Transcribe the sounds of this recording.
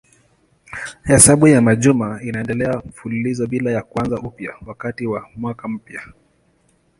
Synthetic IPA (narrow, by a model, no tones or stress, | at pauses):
hɛsaɓujamaʄumainaɛndɛlɛam̩fululizɔɓilajakwanzaʔupjawakatiwamwakam̩pja